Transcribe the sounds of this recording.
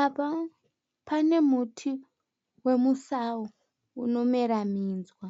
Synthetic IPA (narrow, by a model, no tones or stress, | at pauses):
apa | pane̞mutʰi | we̞musau | uno̞meɾamiːnzwa